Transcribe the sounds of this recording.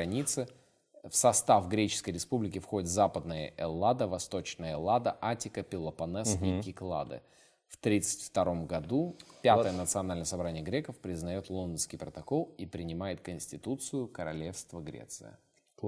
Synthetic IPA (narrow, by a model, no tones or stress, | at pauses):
ɐnʲit̪sɨ | fsɐst̪afɡɾʲet͡ɕɪ̥skəjɾʲɪspublʲɪkʲɪfxo̞dʲɪt̪vzapəd̪̚nəjə̰ʔɛlˠad̪əvɐst̪o̞t͡ɕnəjəlˠad̪əʔatʲɪkəpʲɪlˠəpɐnɛsikʲɪklˠa̰d̪ɨ̰ | ft̪ɾʲit̪sɨ̥tʲft̪ɐɾo̞mɡɐd̪upʲat̪əjənət̪sɨɐnalʲnəjəsɐbɾanʲɪjəɡɾʲekəfpɾʲɪznɐjo̞t̪lˠo̞nd̪ənskʲɪjpɾət̪ɐko̞lˠipɾʲɪnʲɪmajɪt̪̚kənʲsʲtʲɪt̪ut̪sɨjʊkəɾɐ̰lʲe̞fst̪vəɡɾʲḛt̪sɨ̰jə̰